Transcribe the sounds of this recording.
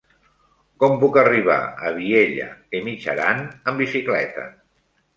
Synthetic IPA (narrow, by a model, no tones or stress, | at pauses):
kɔmpukəriβ̞a̰əβ̞ieʎə̰kemit͡ʃə̰ɾanəmbisiklɛ̰t̪ə̰